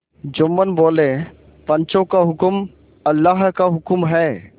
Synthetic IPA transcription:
d͡ʒʊmːənboːle | pə̃nt͡ʃõkaɦʊkm | əlːaɦkaɦʊkmɦɛː

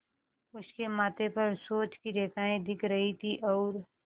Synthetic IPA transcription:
ʊskemaːt̪epɐɾsoːt͡ʃkiɾeːkaːẽd̪ɪkʰɾɐɦit̪ʰiʔɔːɾ

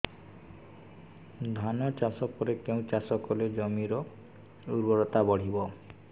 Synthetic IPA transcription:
d̪ʱanɔt͡ʃasɔkɔɾekeũt͡ʃasɔkɔled͡ʒɔmiɾɔ | uɾbɔɾɔt̪abɔɽ̤ibɔ

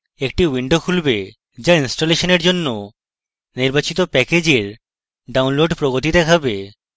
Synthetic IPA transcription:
ek̚ʈiwiɳɖokʰulbe | d͡ʑainsʈoleʃoneɾd͡ʑonːo | niɾbat͡ɕit̪opɛked͡ʑeɾ | ɖaunloɖpɾoɡot̪id̪ɛkʰabe

